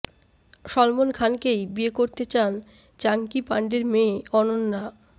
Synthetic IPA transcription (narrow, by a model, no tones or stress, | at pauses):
ʃɔlmonkʰankejbiekoɾt̪et͡ɕan | t͡ɕaŋkipaɳɖeɾmẽːɔnonːa